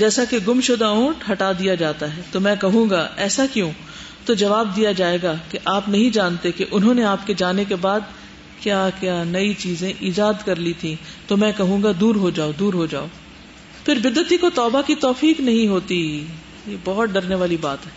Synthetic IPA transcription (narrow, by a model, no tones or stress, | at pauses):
d͡ʒɛːsakeɡʊmʃʊd̪aõːʈɦɐʈad̪ijad͡ʒaːt̪aɦɛːt̪omɛ̃ːkɐɦũːɡaʔɛːsakjõː | t̪od͡ʒɐʋaːb̚d̪ijad͡ʒaːeːɡakeʔaːpnɐɦĩd͡ʒaːnt̪ekeʔʊnɦõːneaːpked͡ʒaːnekebaːd̪ | kjaːkjaːnɐit͡ʃiːzẽʔiːd͡ʒaːd̪kɐɾlit̪ʰĩt̪omɛ̃kɐɦũːɡad̪uːɾɦod͡ʒaːod̪uːɾɦod͡ʒa̰ːoː | pʰɪɾbɪd̪ːət̪ikot̪ɔːbakit̪ɔːfiːknɐɦĩɦoːt̪i | jeːbɔːt̪̚ɖɐɾneʋaːlibaːt̪ɦɛː